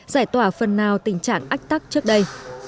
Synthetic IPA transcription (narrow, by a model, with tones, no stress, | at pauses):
zaː˧˩jt̪waː˧˩fə˨˩nːaː˨˩wt̪ï˧˩ŋ̟t͡ɕa̰ː˧˨ŋʔa˦˥k̟̚t̪a˦˥k̚t͡ɕɨ˦˥ək̚ɗə˧j